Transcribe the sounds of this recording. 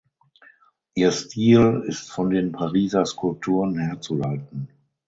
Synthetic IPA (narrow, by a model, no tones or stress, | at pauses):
ʔiːɐstʰiːlɪstfɔndeːnpʰaʁiːzɐskʊlp̚tʰuːʁənheːɐt͡sulaltn̩